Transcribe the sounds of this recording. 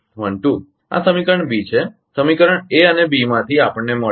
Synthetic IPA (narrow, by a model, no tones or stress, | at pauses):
məɳʈu | a̰səmikəɾəɳbit͡ʃʰe | səmikəɾəɳeənebimãt̪ʰiapəɳːemə